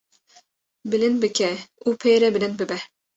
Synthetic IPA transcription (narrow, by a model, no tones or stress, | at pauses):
bɪlɪnbɪkʲʰɛupʰejɾɛbɪlɪnbɪbɛ